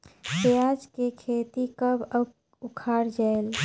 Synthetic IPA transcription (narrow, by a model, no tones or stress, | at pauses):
pejad͡ʒkekʰet̪ikəb | ukʰaɾd͡ʒael